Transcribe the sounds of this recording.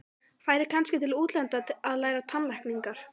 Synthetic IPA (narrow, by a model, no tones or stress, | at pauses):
faːjɾɪɾ̥kʰanscɪt̪ʰɪluːt̪lɛnt̪aaðlaːjɾat̪ʰanlajhkniŋkaɾ̥